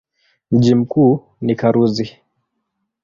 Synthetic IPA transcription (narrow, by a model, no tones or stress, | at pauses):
m̩ʄim̩kuː | nikaɾuzi